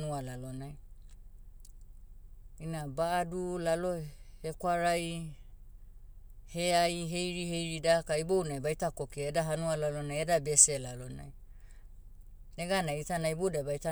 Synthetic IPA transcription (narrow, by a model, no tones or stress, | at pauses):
nualalonaj | inabaːdulalo̞he̞kwaɾaj | he̞ajɦe̞jɾihe̞jɾidakaibownajbajtako̞kiedaɦanualalo̞najedabe̞selalona̰j | neɡanajitanaibodabajta